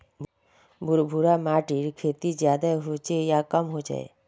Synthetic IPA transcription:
bʱʊɾbʱuɾamaːʈiɾkʰeːt̪id͡ʒjaːd̪aɦot͡ʃejakəmɦod͡ʒa̰ḛ

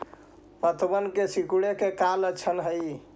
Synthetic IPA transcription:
mət̪ʰəbənkesikuɽekekalət͡ʃʰənɦəj

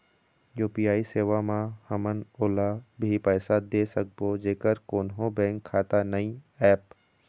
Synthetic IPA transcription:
juːpijaːiseːʋamãhəmənoːlabʱipəːsad̪eːsək̚boːd͡ʒeːkəɾkoːnɦõbɛ̃ːŋkʰːaːt̪anəĩɛːp

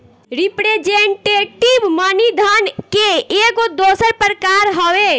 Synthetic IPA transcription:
ɾipɾed͡ʒeɳʈeʈiʋmənid̪ʱənkeeɡod̪osəɾpɾəkaɾɦɔwe

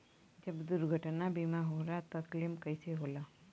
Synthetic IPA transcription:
d͡ʒəbd̪ʊɾɡʱəʈnabimaɦoɾat̪ɐklimkəiseɦola

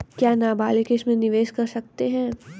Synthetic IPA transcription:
kjaːnaːbaːlekeʃmẽnɪʋeːʃkɐɾsɐk̚t̪eɦɛ̃ː

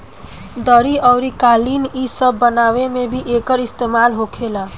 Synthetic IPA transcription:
d̪əɾiəʊɾikalinisəbːənawemebʱiʔekəɾist̪emalɦokʰela

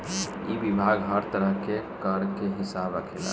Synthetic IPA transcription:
ibibʱaɡɦəɾt̪əɾəɦkekəɾkeɦɪsabɾəkʰela̰

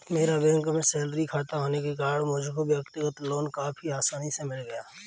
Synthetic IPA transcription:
meːɾabɛ̃ːŋkmẽseːlɾikʰaːt̪aɦoːnekekaːɽmʊd͡ʒʱkobjəkt̪ɪɡət̪loːnkaːpʰiaːsaːnisemɪlɡɐjaː

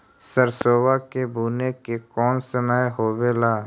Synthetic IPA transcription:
səɾsoːwakebʱuːnekekɔːnsəməjɦoːʋeːlaː

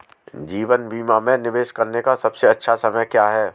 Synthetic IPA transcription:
d͡ʒiːʋənbʱiːmamẽnɪʋeːʃkɐɾnekasɐbseɐtːʃʰasɐməjkjaːɦɛː

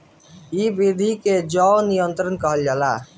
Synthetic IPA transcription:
ibid̪ʱiked͡ʒɔnijənt̪ɾənkəɦəld͡ʒala

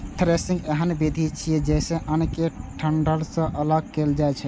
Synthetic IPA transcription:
ʈʰɾesĩŋɡeɦənbid̪ʱit͡ʃʰijɛd͡ʒɛjsẽʔənkeʈʰəɳɖəlsə̃ʔələɡ̚keld͡ʒajt͡ʃʰɛ

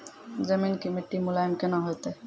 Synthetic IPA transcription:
zəminkimiʈːimulajɔnkɛnɔɦɔjt̪e

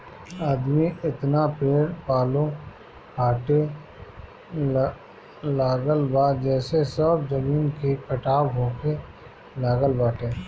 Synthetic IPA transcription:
aːd̪miɪt̪napeːɾpaːlõ | kʰaːʈe | laːɡəlbaːd͡ʒɛːsesəbzɐmiːnkikɐʈaːbɦoːke | laːɡəlbaːʈeː

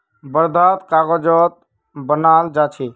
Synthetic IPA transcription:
bəɾd̪ʱat̪kaɡɔd͡ʒɔt̪̚ | bənald͡ʒat͡ʃʰi

